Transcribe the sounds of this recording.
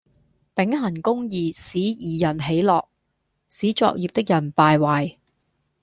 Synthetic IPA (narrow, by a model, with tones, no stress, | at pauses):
pɪ˨˥ŋhɐ˨˩nkʊ˥ŋjiː˨siː˨˥jiː˨˩jɐ˨˩nɦe˨˥jlɔː˨k̚ | siː˨˥t͡sɔ̰ː˧k̚jiː˨p̚t̪ɪ˥k̚jɐ˨˩npaː˨˧jwaː˨j